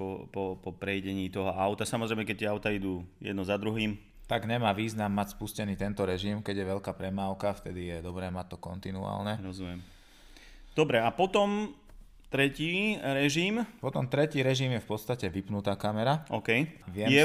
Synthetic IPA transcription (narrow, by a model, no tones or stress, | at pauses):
ɔpɔpɔpɾɛjɟɛɲiːt̪ɔɦɔaʊt̪asamɔzɾɛɪmɛkɛc̚t̪ɪɛaʊt̪aid̪uːjɛ̰d̪nɔzad̪ɾuɦiːm | t̪aɡɲɛmaːʋiːznamːacspuscɛniːt̪ɛnt̪ɔɾɛʒimkɛɟjɛʋɛʎkaːpɾɛmaːʊkaft̪ɛd̪ijɛd̪ɔbɾɛːmac̚t̪ːɔkɔnt̪inua̰ːlnɛɾɔzumɪɛm | d̪ɔbɾɛapɔt̪ɔm | t̪ɾɛciːɾɛʒiːmpɔt̪ɔmt̪ɾɛciːɾɛʒimjɛfpɔt̪st̪acɛʋipnut̪aːkamɛɾaɔkɛjʋɪɛjɛ